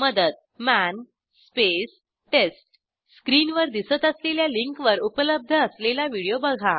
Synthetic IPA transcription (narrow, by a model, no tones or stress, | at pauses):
məd̪əd̪ | mæn | spes | ʈesʈ | skɾiːnʋəɾd̪isət̪əsleljaliŋkʋəɾupələb̚d̪ʱəːslelaʋiɽijobəɡʱa